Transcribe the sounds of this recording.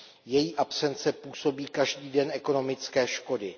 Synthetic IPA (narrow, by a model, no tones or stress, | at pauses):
jɛjiːʔapsɛnt͡sɛpuːso̞biːkaʒdiːdɛnʔɛko̞no̞mɪt͡skɛːʃko̞dɪ